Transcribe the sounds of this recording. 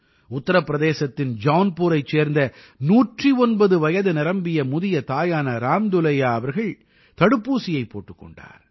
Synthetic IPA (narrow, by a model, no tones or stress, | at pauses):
ʊt̪ːɐɾɐpːɪɾɐðeːsɐt̪ːɪnd͡ʒaːnpuːɾɐɪt͡ʃːeːɾnd̪ɐ | nuːʈriɔnbɐðɯʋɐjɐðɯnɪɾɐmbɪjɐmʊðɪjɐt̪aːjaːnɐɾaːmd̪ʊlɐjaːɐʋɐɾɣɐɭ | t̪ɐɽɯpːuːsɪjɐɪpːoːʈːɯkːɔ̰ɳɖa̰ːɾ